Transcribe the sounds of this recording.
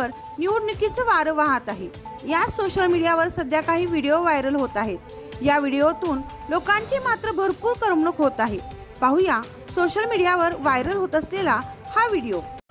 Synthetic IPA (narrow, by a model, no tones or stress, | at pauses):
əɾ | niuɽnikit͡səʋaɾʋaɦãt̪aɦejasoɕəlmiɽijaʋəɾsəd̪ʱjakaɦiːʋiɽijoʋajɾəlɦot̪aɦet̪̚ | jaʋiɽijot̪uːn | lokãɲt͡ɕiːmat̪ɾəbʱəɾpuːɾkəɾmɳəkɦot̪aɦe | paɦuja | soɕəlmiɽijaʋəɾʋajɾəlɦot̪əslelahaʋiɽijo